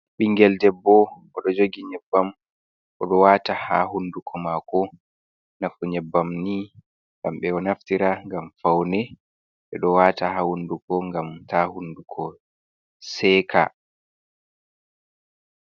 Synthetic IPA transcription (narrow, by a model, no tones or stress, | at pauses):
ɓiŋɡɛldɛbːɔʔɔɗɔd͡ʒoɡiɲɛbːam | ʔɔɗɔwataha̰ɦundukʰɔmakɔ | nafuɲɛbːamni | ŋɡamɓɛɔnaftiɾaŋɡamfawnɛ | ɓɛɗɔwatahahundukɔŋɡamtahundukʰɔ | sɛːkʰa̰